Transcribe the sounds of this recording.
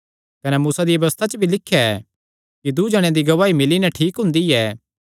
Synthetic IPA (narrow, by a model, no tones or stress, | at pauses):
kɐnɛmuːsad̪iʋɐʋɐʋəst̪ʰat͡ʃəbʱilɪkʰːjaɛ | kid̪ud͡ʒɐɽ̃ẽd̪iɡɐʋaːimɪlinɛʈʰiːkɦʊ̃nd̪iɛː